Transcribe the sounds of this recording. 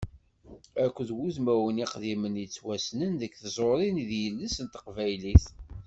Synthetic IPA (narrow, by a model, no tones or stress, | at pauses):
ækʷːðwuðmæwəniqðimənjət͡sːwæsnənðəkθzˤoɾˤinðjəlːəsənt̪ə̥qvæjliθ